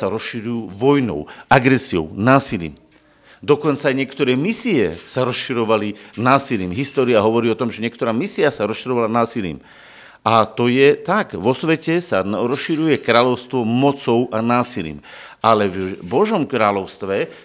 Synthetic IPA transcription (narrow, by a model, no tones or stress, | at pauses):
saɾɔsʃiɾujuːʋɔjnɔ̰ʊaɡɾɛsiɔʊnaːsilḭːm | d̪ɔkɔnt͡saːjɲɪɛkt̪ɔɾɛːmisiɛsaɾɔsʃiɾɔʋalinaːsiliːmɦist̪ɔːɾiaɦɔʋɔɾiːɔt̪ɔmʒɛɲɪɛk̚t̪ɔɾaːmisiasaɾɔsʃiɾɔʋalanaːsilḭːm | at̪ɔjɛt̪aɡʋɔsʋɛcɛsaɾɔsʃiɾujɛkɾaːʎɔʊst̪ʋɔmɔt͡sɔʊʔanaːsilḭːm | ʔalɛvbɔʒɔmkɾaːlɔʊst̪ʋɛ